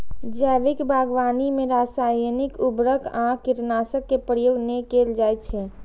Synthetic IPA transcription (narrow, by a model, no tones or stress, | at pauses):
d͡ʒɛːʋɪkbʱaːɡʋaːnimẽɾaːsaːjnikubɾəkãkɪɾnaːsəkːepɾjoːɡnekeːld͡ʒaːjt̪t͡ʃʰɛ